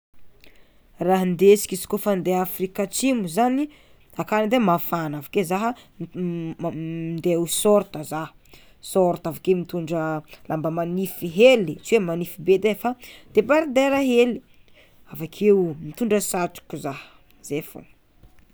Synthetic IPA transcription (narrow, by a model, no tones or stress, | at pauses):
raɦənd̪esi̥kizi̥kofand̪eafɾikat͡simuzani | akanid̪emafanavakezaɦə | nd̪eawusoɾt̪əzaɦə̥ | soɾt̪avakemit̪uɳɖ͡ʐəlambəmanifiɦelit͡ʃiwemanifibed̪efad̪̥ebaɾid̪eɾaɦeli̥ | avakʰeumit̪uɳɖ͡ʐəsaʈ͡ʂu̥kuzahə̥ | z̥efo̰